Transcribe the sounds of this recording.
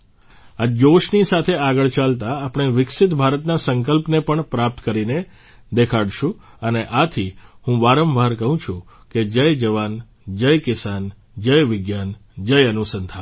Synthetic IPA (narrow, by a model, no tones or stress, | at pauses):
ad͡ʒoʃnisat̪ʰeaɡəɭt͡ʃalt̪aːpəɳ̃eʋɪksɪt̪bʱaɾət̪nasəŋkəlpnepəɳpɾap̚t̪kəɾine | d̪ekʰaɽʃũ | əneʔat̪ʰiɦũʋaɾəmbʱaɾkəɦũt͡ʃʰũ | ked͡ʒəjd͡ʒəʋan | d͡ʒəjkɪsan | d͡ʒəjʋɪɡjand͡ʒəjənusənt̪ʰa